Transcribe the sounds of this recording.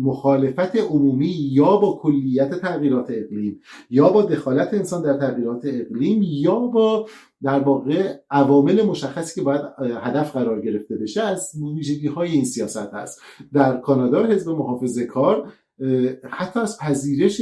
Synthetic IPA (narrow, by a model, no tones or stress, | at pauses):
moxɒːle̞fæt̪ʰe̞ʔomuːmiːjɒːbɒːkʰo̞lːijːæt̪ʰet̪ʰæɣiːɾɒːt̪ʰe̞eɣliːmjɒːbɒːd̪e̞xɒːlæt̪ʰe̞ːnsɒːnd̪æɾt̪ʰæɣiːɾɒːt̪ʰe̞ːɣliːmjɒːbɒː | d̪æɾvɒːɣe̞ʔævɒːme̞le̞mo̞ʃæxːæsi̥ːcʰebɒːjæd̪hæd̪æfɢæɾɒːɾɟe̞ɾe̞ft̪e̞be̞ʃe̞æzmoviːʒeɡiːhɒːje̞iːnsijɒːsæt̪hæ̰st̪d̪æɾkʰɒːnɒːd̪ɒːɦe̞zbe̞moɦɒːfe̞zekʰɒːɾ | hæt̪ʰːɒːæzpʰæziːɾe̞ʃ